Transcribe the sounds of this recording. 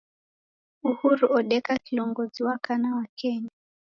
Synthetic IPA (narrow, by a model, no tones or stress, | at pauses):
uhuɾuɔɗɛkakilɔŋɡɔd͡ziwakanawakʰɛnɛ